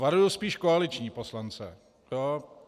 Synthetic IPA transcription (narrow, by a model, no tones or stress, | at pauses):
vaɾujospiːʃkoalɪt͡ʃɲiːposlant͡sɛ | jo